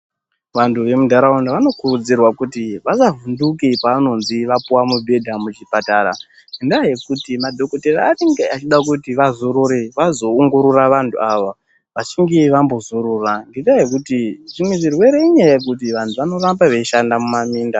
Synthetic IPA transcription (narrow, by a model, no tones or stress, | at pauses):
ʋantʰuʋe̞mudʱaɾaundaʋano̞kurud͡zirwakutiʋazavundukepaano̞nziʋapuwamubʱe̞dʱamut͡ʃipataːɾa̰ | ŋɡendaaje̞kutimadʱo̞koteraaneŋɡeat͡ʃiɗak̬utiʋazoɾoɾeʋazo̞ːŋɡoɾuraʋantʰṵaʋa | ʋat͡ʃiŋɡe̞ʋambo̞zoɾuraŋɡendajekutiʐimwe̞ʐirwe̞ɾeiɲajajek̬utiʋantʰuʋano̞rambaʋe̞ʃandamumamiːnda